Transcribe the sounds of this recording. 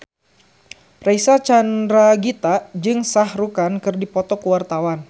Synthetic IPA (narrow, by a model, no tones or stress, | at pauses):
raisat͡ʃanɾaɡit̪ad͡ʒɨŋsahɾukankɨrdipɔt̪ɔkuwart̪awan